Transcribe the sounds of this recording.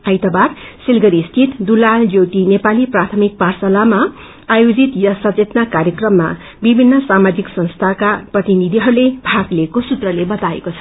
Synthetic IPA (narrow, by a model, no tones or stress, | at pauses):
ajt̪ʌbarsilɡʌɾist̪ʰit̪d̪ulald͡zowʈinepaliprat̪ʰʌmik̚parsʌlama | ajod͡zit̪jʌsʌt͡set̪nakaɾjʌkrʌmːa̰ | bibʱinːʌsamad͡ziksʌnst̪ʰakaprʌt̪inid̪ʱiɦʌɾulebʱaɡleːkosut̪rʌlebʌt̪aḛkot͡sʰʌ̥